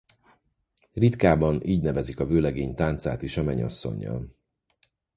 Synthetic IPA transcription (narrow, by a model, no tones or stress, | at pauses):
rit̪kaːbɒniːɟnɛvɛzikɒvøːlɛɡeːɲt̪aːnt̪sa̰ːt̪iʃɒmɛɲɒ̰sːo̞̰ɲːɒ̰l